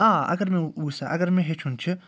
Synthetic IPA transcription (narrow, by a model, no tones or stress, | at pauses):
ãːɐ̰ɡəɾmẽuːsaʔɐɡəɾmẽɦet͡ʃʰunt͡ʃʰɨ